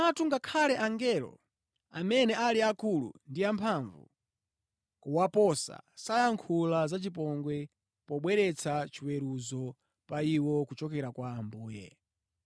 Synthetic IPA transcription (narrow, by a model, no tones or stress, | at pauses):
atʰuŋɡakʰalɛʔaŋɡɛlɔ̰ | a̰mɛnɛʔaliakulṵndiampʰaɱvṵ | kuwapɔsa̰sajaŋkʰulazat͡ʃip̬ɔŋɡwɛ | pɔɓwɛɾɛt͡sʰat͡ʃiwɛɾuzɔ | paiwɔkut͡ʃɔkɛɾakwaːmbuːjɛ̰